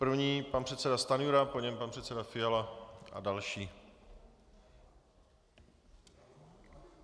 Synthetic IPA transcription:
pr̩vɲiːpanpr̝̥ɛt̪sɛdast̪anjuɾapoɲɛmpanpr̥ɛt̪sɛdafɪjalaʔa̰dalʃiː

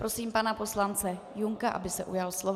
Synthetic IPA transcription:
pɾo̞siːmpanapo̞slant͡sɛ | juŋkaʔa̰bɪsɛʔujalslov

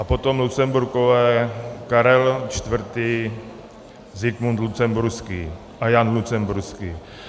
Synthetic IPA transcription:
ʔapot̪omlut̪sɛmbuɾkovɛkaɾɛlt͡ʃt̪vr̩t̪iː | zɪkmunt̪lut͡sɛmbuɾskiː | ʔajanlut͡sɛmbuɾski

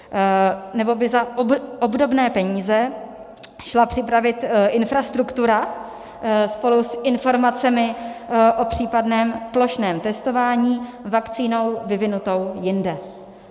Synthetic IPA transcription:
nɛbo̞bɪzabʔo̞bdo̞bnɛːpɛɲiːzɛ | ʃlapr̥ɪpɾavɪt̪ʔɪnfɾast̪ɾukt̪uɾa | spo̞lusɪnfo̞ɾmat͡sɛmɪʔo̞pr̝̥iːpadnɛːmplo̞ʃnɛːmt̪ɛst̪o̞vaːɲiːvakt͡siːno̞wvɪvɪnut̪o̞wjɪndɛ

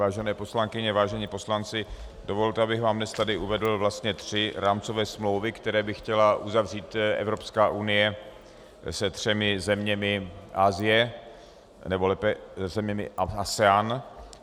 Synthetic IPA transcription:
vaːʒɛnɛːpo̞slaŋkɪɲɛvaːʒɛɲiːpo̞slant͡sɪ | dovo̞lt̪ɛabɪɣvaːmnɛst̪adɪʔuvɛdl̩vlast̪ɲɛt̪r̝̥ɪɾaːmt͡sovɛːsmlowvɪkt̪ɛɾɛːbɪxcɛlaʔuzavr̝iːt̪ʔɛ̰vɾo̞pskaːʔunɪjɛ | sɛt̪r̝̥ɛmɪzɛmɲɛmɪʔaːzɪjɛ | nɛbolɛpɛzɛmɲɛmɪ̰asɛaːn

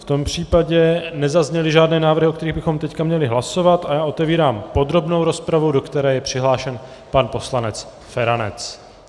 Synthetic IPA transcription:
ft̪o̞mpr̝̥iːpaɟɛnɛzazɲɛlɪʒaːdnɛːnaːvɾr̩ɦɪʔokt̪ɛɾiːɣbɪxo̞mt̪ɛckamɲɛlɪɦlaso̞vat̪ajaːʔo̞t̪ɛviːɾaːmpo̞d̪ɾo̞bno̞wɾo̞spɾavudo̞kt̪ɛɾɛːjɛpr̝̥ɪɦlaːʃɛn | panpo̞slanɛt͡s | fɛɾanɛ̰t͡s

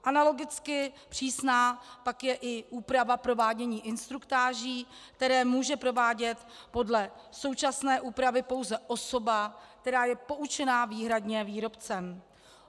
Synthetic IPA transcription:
ʔanalo̞ɡɪt͡skɪpr̝̥iːsnaːpakjɛʔɪʔuːpɾavapɾo̞vaːɟɛɲiːʔɪnst̪ɾukt̪aːʒiːk̚t̪ɛɾɛːmuːʒɛpɾo̞vaːɟɛt̪po̞dlɛ | so̞wt͡ʃasnɛːʔuːpɾavɪpo̞wzɛʔo̞so̞bak̚t̪ɛɾaːjɛpo̞ʔut͡ʃɛnaːviːɦɾadɲɛviːɾo̞pt͡sɛm

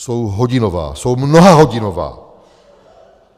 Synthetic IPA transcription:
sowɦoɟɪnova̰ːsowmnoɦaɦoɟɪnova̰ː

